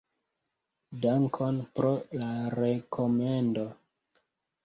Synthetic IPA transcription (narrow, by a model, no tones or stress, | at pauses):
daŋkʰo̞npɾolaɾekʰomendo̞